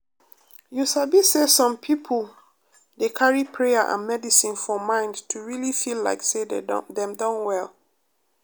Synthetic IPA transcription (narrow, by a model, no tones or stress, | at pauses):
jusabisesɔ̃mpʰipʰəl | dekʰaɹipʰɹejaʔã̰nmɛdisĩnfɔmãɪ̃ndtʰuɹilifilla̰ɪksedḛdɛ̃mdɔ̃nwɛlˠ